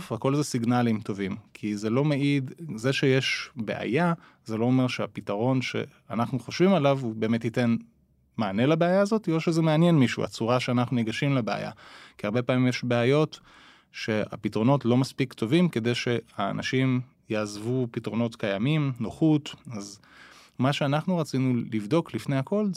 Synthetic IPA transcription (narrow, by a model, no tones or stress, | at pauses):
fako̞lzesiɡnalimto̞vimkʰizelo̞meidzeʃejeʃbe̞̰ʔa̰ja | ze̞lo̞ːmeʁʃeapitaʁo̞nʃe̞̰ | anaχnuχo̞ʃvimalavube̞ːmethite̞n | maːne̞labeajaːzo̞tio̞ʃezemeanje̞nmiʃṵa̰t͡suʁaʃeanaχnuniɡaʃimlebea̰ja̰kiaʁbe̞paːmimjeʃbeajo̞t | ʃe̞a̰pitʁo̞no̞tlo̞maspiktʰo̞vimke̞de̞jʃe̞a̰ːna̰ʃim | jaːzvupitʁo̞no̞tkajamimnoχutaz | maʃeanaχnuʁat͡sinulivdo̞klifne̞jhako̞l